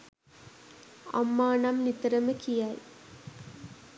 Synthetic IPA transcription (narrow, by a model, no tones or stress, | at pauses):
a̰mːaːnamnit̪ɐɾɐməkijaj